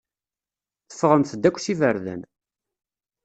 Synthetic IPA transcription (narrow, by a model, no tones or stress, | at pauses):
θə̥fːʁənθəd̪ːækʷːθivəɾðə̰n